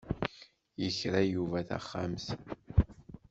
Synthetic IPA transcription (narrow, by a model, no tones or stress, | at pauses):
jəçɾæjuvæθæ̰χːamθ